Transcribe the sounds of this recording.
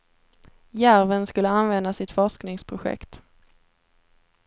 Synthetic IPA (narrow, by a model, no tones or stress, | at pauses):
jæɾvənskɵlːəanvɛnd̪asɪt̪fɔʂknɪŋspʰɾʊɧɛ̰kt̪